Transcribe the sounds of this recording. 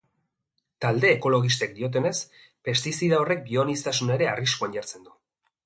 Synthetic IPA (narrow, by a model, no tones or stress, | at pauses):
t̪ald̪e̞ːko̞lo̞ɣ̞is̬t̪ekd̪io̞t̪̬e̞ne̞s | pe̞st̪isiðao̞re̞k̚bio̞nist̪asuneɾe̞ariskuanɟaɾt͡se̞nd̪u